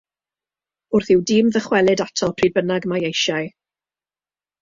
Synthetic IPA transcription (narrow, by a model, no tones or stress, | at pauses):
ʊrθɪwdɪːmðəχwɛlˠɪdatʰɔlˠpʰr̥iːd̚bənaɡmajejʃaj